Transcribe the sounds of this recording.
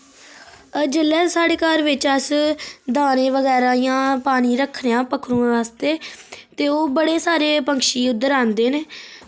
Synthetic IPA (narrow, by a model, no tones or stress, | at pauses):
d͡ʒɪlːɛːsaːɽeːkaːɾʋɪt͡ʃəsd̪aːnẽːʋəɡɛːɾãːijãːpaːɽ̃iːɾəkʰːnejãːpəkʰːɾũːaːst̪eːt̪eːoːbəɽeːsaːɾeːpəŋkʃiːʊd̪ːəɾãːnd̪eːneː